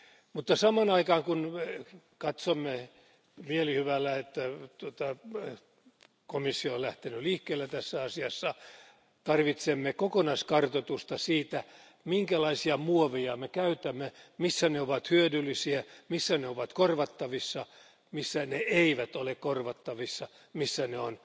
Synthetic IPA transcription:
mut̪ːɑsɑmɑnɑikɑːŋkun | kɑt̪somːe | mielihyʋælːæet̪ːæt̪uot̪ɑ | komisːioolæht̪enyliːhkːeːlːæt̪æsːæɑsiɑsːɑ | t̪ɑrʋit̪semːekokonɑiskɑrt̪ot̪ust̪ɑsiːt̪æ | miŋkælɑisiɑmuoʋejɑmekæyt̪æmːemisːæneoʋɑt̪hyødylːisiæmisːæneoʋɑt̪korʋɑt̪ːɑʋisːɑ | misːæneeiʋæt̪olekkorʋɑt̪ːɑʋisːɑ | misːæneon

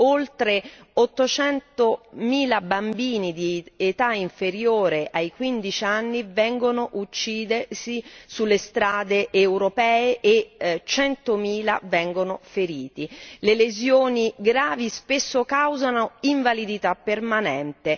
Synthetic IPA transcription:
olt̪ɾe | ɔt̪ːot͡ʃɛnt̪omiːlabambiːnid̪iet̪aiɱfeɾjoːɾeʔajkwind̪it͡ʃianːivɛŋɡonoʔut͡ʃːiːd̪esisulːest̪ɾaːd̪eʔːwɾopɛːeʔet͡ʃɛnt̪omiːla̰vɛŋɡonofeɾiːt̪ilelezjoːniɡɾaːvispesːokawzanoiɱvalid̪it̪apːermanɛnt̪e

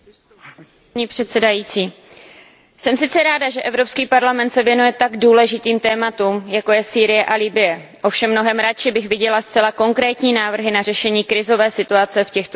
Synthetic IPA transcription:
ɲiːpr̝̥ɛt̪sɛdajiːt͡siː | sɛmsɪtt͡sɛɾaːdaʒɛʔɛvɾo̞pskiːpaɾlamɛnt̪sɛvjɛnujɛt̪aɡduːlɛʒɪt̪iːmt̪ɛːmat̪umjako̞jɛsiːɾɪjɛʔalɪbɪjɛ | ʔo̞fʃɛmːno̞ɦɛmɾat͡ʃɪbɪxvɪɟɛlast͡sɛlako̞ŋkɾɛːt̪ɲiːnaːvr̩ɦɪnarɛʃɛɲiːkɾɪzo̞vɛːsɪt̪uat͡sɛfcɛxt̪o

